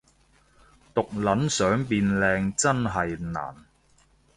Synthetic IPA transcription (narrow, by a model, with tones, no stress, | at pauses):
t̪ʊ˨k̚lɐ˨˥nsœː˨˥ŋpiː˧nlɛː˧ŋt͡sɐ˥nɦɐ˨jna̰ː˨˩n